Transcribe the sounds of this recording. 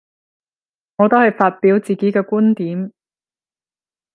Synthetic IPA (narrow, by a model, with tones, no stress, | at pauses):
ŋɔː˨˧t̪o˥hɐ˨jfaː˧t̚piː˨˥wt͡siː˨ke˨˥jkɛː˧kuː˥nt̪iː˨˥m